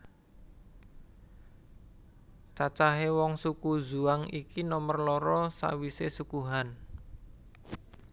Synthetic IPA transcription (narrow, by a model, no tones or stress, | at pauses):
t͡ʃat͡ʃaɦewɔŋsukuzuaŋikinɔmərlɔɾɔsa̰wisesukuɦan